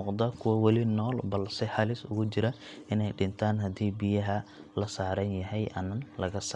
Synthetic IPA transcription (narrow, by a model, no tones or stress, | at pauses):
ʊqd̪ɐkʰʊwɐwɛlɪnɔːlbɐlsɛħɑlɪsʊ̰ɣʊt͡ʃɪɾɐ | ʔɪnɛjɖɪnt̪ʰaːnɦɐd̪iːbijɐɦɐlɐsaːɾɐnjɐɦɛjʔɐ̰nɐnlɐɣɐsaː